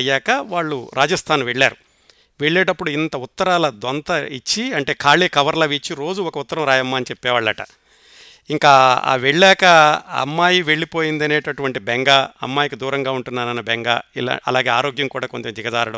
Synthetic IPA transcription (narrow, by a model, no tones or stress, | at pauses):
jaːkɐʋaːɭːuɾʔaːd͡ʒɐst̪ʰaːnʋeɭːaːɾu | ʋeɭːeːʈɐpːuɽuint̪ɐut̪ːɐɾaːlɐd̪ɐnt̪ɐit͡ʃːiɐɳʈe̞ːkʰaːɭeːkɐʋɐɾlɐʋit͡ʃːiɾo̞ːd͡ʒuɔkɐut̪ːɐɾɐmɾaːjɐmːaːɐnit͡ʃepːɛːʋaːɭːɐʈɐ̰ | iŋkaːa̰ːʋeɭːɛːkɐɐ̰mːaːjiʋe̞ɭːipoːjind̪ɐneːʈɐʈuʋɐɳʈibeŋɡaːɐ̰mːaːjikid̪uːɾɐŋɡaːuɳʈunːaːnɐnːɐbɛŋɡaːila̰ɐlaːɡe̞ːaːɾo̞ːɡjɐmkuːɽaːko̞ɲt͡ʃɐmd͡ʒ̪iɡɐd̪aːɾuɽɐ